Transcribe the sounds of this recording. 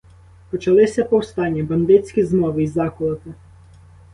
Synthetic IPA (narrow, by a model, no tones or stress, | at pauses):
pɔt͡ʃɐlˠɪsʲɐpɔwst̪ɑnʲːɐbɐnd̪ɪt͡sʲsʲkʲizmɔʋɪizɑkʊlˠɐt̪ɪ